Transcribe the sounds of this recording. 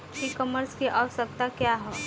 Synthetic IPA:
kikɔməɾskiʔaʋəsək̚t̪akjaɦɛː

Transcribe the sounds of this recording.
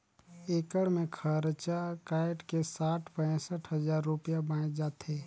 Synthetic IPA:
eːkəɽmẽkʰəɾt͡ʃakaːɪʈkesaːʈʰpɛ̃səʈʰɦəzaːɾːupijabãːd͡ʒaːt̪eː

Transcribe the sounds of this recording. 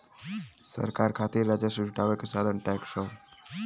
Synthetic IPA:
sə̰ɾkaːɾkʰaːt̪iɾːad͡ʒasud͡ʒʈaːʋekesad̪ənʈɛkʃo

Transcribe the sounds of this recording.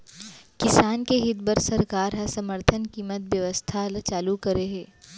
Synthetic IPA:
kɪsaːnkeɦɪt̪̚bəɾsɐɾkaːɾɦɐsɐməɾt̪ʰənkiːmət̪ʋjəʋəst̪ʰalt͡ʃaːlukɐɾeɦɛː

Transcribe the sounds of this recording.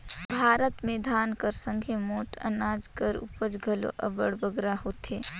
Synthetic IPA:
bʱaːɾət̪mẽd̪ʱaːnkəɾsə̃ŋɡʱemoːʈə̰naːd͡ʒkəɾṵpəd͡ʒɡʱəlo̰ʔə̰bəɽbəɡɾahoːt̪eː

